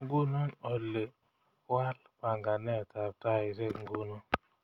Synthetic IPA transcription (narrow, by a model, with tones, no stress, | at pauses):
ŋɡu˦nɔ˦nɔ˨le˨ | wa˦l | pa˨ŋɡa˨nɛ˦˨ta˨pta˦ɪ˨ɾe˦kŋ˦ɡu˦nɔ˦